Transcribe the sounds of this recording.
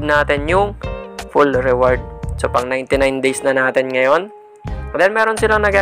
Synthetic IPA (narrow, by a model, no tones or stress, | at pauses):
d̪̚naːt̪ɪnjʊŋfulɾɛwoɹd̪̚sopɐŋnajnt̪ɪnajnd̪ɛjsnɐnaːt̪ɪnŋɐjo̞n | d̪ɛlmɛːɾo̞nsɪlaŋnɐɡa